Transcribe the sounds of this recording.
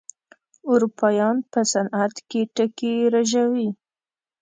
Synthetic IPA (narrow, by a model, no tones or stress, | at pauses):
ʊɾupʰɑjɑnpəsanʔat̪keʈəkeɾaʒawi